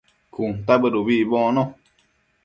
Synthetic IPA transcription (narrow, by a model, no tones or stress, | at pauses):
kun̩tabədobibɔ̃ːnɔ